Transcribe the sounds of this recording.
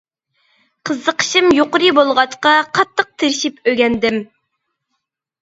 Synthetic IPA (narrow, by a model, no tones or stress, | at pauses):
qʰəzːəqʰə̥ʃimjoqʊɾɨbolˠʁɑt͡ʃqɑqʰɑt̪ʰːəq̚t̪ʰɪɾʃipøɡʲɛnd̪ɪm